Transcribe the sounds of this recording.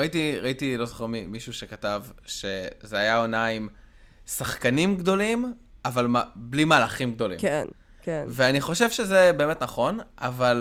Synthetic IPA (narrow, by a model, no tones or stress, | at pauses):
itiʁaitilo̞zo̥χeʁmimiʃuʃekatavʃe̞zeajao̞naim | saχkanimɡd̪o̞lim | avalmablimaːlaχimɡ̚d̪o̞lḭken | keveaniχo̞ʃevʃeze̞be̞ːmetnaχo̞nʔa̰val